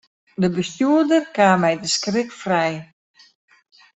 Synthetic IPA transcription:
dəbəstjuədərkaːmɛjdəskrɪkfrɛj

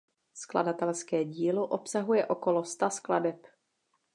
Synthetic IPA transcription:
skla̰dat̪ɛlskɛːɟiːlo̞ʔo̞psaɦujɛʔo̞ko̞lo̞st̪askladɛp

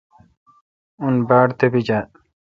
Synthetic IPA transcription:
unbaːɽt̪ebid͡ʑaː

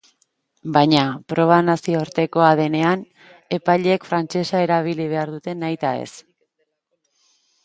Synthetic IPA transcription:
bajɲapɾo̞β̞anasiooɾt̪e̞ko̞aðe̞ne̞an | e̞pajʎeːkfɾant͡ʃe̞sae̞ɾaβ̞iliβ̞e̞aɾðut̪e̞najt̪ae̞̰s

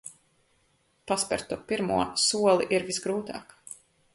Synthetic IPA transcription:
paspɛ̰ɾt̪upiɾmuɔsuɔlˠiʔiɾvisɡɾuːt̪a̰ːk

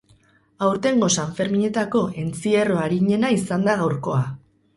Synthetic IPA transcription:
awɾt̪e̞ŋɡo̞saɱfe̞ɾmiɲe̞t̪ako̞e̞nt͡sie̞ro̞aɾiɲe̞naisand̪aɣ̞awɾko̞a

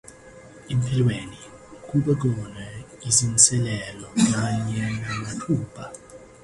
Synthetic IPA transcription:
empʼilweni | k̬ʼuɓɛk̬ɔnwɛ | izint͡sʼɛlɛlɔkaɲɛamatʰuːpʰa

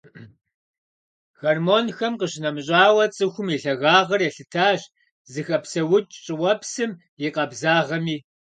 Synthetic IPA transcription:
xɐrmoːnxɐmqəɕɪnɐmɕʼaːwɐt͡sʼɨxʷʊmjiɬɐɣaːʁɐrjɛɬɨtʰaːɕ | zɨxɐpsɐwʊt͡ʃʼt͡ʃʼɪwɐpʰsɨm | jɪqʼɐbzaːʁɐmiː

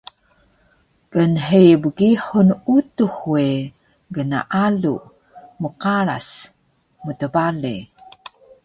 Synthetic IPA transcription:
kənħijbəɡiħunutuχwe | ɡəna̰ʔalu | məqaɾa̰s | mutəbalḭ

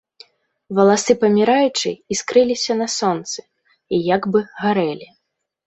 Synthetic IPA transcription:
vɐlˠasɨpɐmʲiɾajut͡ʂɨ̰iskɾɨlʲisʲɐnɐsɔnt̪sɨ̥ | ijaɡbɨɣaɾɛlʲi

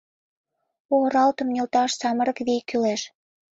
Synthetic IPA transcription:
oʁɾɑlt̪ə̆mnʲelt̪ɑʃsɑməɾə̆kβikːyleʃ

